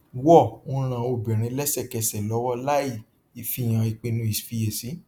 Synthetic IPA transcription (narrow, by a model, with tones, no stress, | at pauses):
wɔ˦˨ũ˦ɾ̃ã˨o˧˨bĩ˨ɾ̃ĩ˧˦lɛ˦sɛ˦˨kɛ˧sɛ˨lɔ˨˦wɔ˦la˦i˦˨ | i˨fi˧˨j̃ã˨i˨k͡pe˧nũ˦i˦˨sfi˧je˨si˨˦